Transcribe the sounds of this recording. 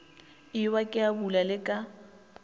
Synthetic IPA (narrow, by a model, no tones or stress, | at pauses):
ɪwakʼɪabulalɪkʼa